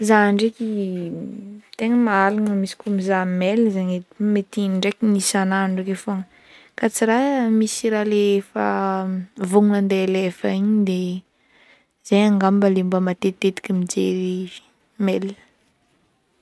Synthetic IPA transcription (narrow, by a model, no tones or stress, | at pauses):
zaɳɖ͡ʐekʲi | t̪eŋəmaalaŋəmisi̥kumizamelzeɲemet̪iniɳɖ͡ʐekʲinisanaɳɖ͡ʐekefoŋə | kat͡siɾamisiɾaleefə | vuŋunand̪elefəiɲid̪e | z̥ejaŋɡambəlimbəmat̪et̪et̪i̥kʲimid͡ʒḛɾi̥ | mel